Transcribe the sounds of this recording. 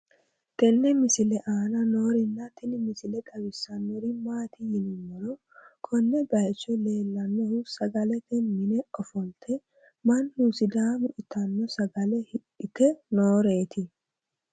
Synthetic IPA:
t̪ɛnːɛmɪsɪlɛʔaːnɐnoːɾɪnːɐt̪ɪnmɪsɪlɛk̪ʼɐbɪsːɐnːɔɾɪmaːt̪ɪjɪnɪmːɔɾɔ | kʰɔnːɛbɐjt͡ʃːɔle̞ːlːɐnːɔhʊsɐɡɐlɛt̪ɛnmɪnɛʔɔfɔlt̪ʰɛ | mɐnːusɪd̪aːmʊʔɪt̪ːɐnːɔsɐɡɐlɛhɪ | ɪkɛnoːɾe̞ːt̪ʰɪ

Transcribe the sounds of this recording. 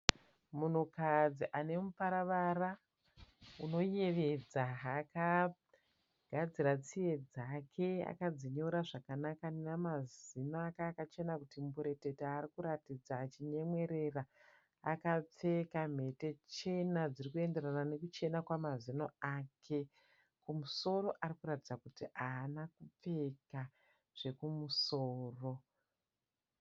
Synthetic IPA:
mun̤ukad͡ziʔane̞mupaɾaʋara | uno̞je̞ʋe̞d͡zaaka | ɡ̥ʱad͡ziɾat͡sije̞d͡zakʰe̞a̰kad͡ziɲoɾaʐakanakanenamazinoakakat͡ʃe̞nakutimbuɾe̞te̞taːrikuɾatid͡zaːt͡ʃiɲe̞mwe̞ɾe̞ra | a̰kap͡fe̞kam̤e̞te̞t͡ʃe̞nad͡zirikue̞nde̞ranane̞kut͡ʃe̞nakwamazino̰aːkʰe̞ | kumuso̞ɾo̞ʔaɾikuɾatid͡zakutiʔaːnakup͡fe̞ka | ʐ̥e̞kumusoːro̞

